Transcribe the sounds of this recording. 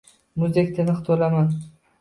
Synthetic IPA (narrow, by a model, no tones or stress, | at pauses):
mʊzd̪ek̚ʲt̪ʰɪnɨχt̪ʰolaman